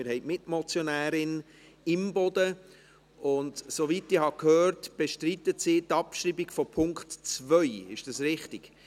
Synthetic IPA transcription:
mɪɾhɛɪtmɪtmɔt͡sjonæːɾɪn | ɪmbɔdə | ʊndsovitihɑkʰhøːrtb̥eʃtritətsiːtɑpʃɾiːbiɡfɔpʰʊŋktt͡svœʏɪ̰ʃd̥ɑsɾɪχtɪɡ̥

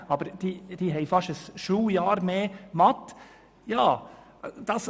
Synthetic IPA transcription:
ɑbəɾd̪̥ɪd̪ɪɦeɪfɑʃəsʃʉːjɑːɾmɛmɑt̪ː | jɑː | d̪ɑs

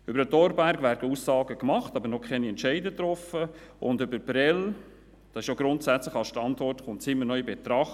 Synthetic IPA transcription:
ʏbəɾədɔɾbæɾɡvæːɾɡəuːsːɑːɡəkmɑχtɑbəɾnɔkʰχɛniɛntt͡ʃɛɪdət̪ɾɔfəʊndøbəɾbɾɛl | d̥ɑsɪʃjoɡɾʊntsæt͡slɪχɑlsʃtɑndɔrtχʊntt͡sɪmːənœʏbɛtɾɑχ

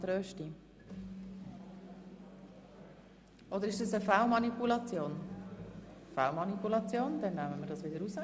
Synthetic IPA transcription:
dɾœːʃti | ɔd̪əɾɪʃdɑsəfaʊmɑnipulɑt͡sjoːn | faʊmɑnipulɑt͡sjoːnd̥̪ɛnnæməməɾdɑsʋɪdəɾuzə

